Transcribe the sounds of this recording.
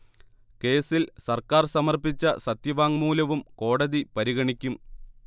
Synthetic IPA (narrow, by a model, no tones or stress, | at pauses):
ke̞ːsilsɐrkaːrsɐmɐrpit͡ɕːɐsɐt̪jɐʋaːŋmuːlɐʋumko̞ːɽɐðipɐɾiɣɐɳikʲːum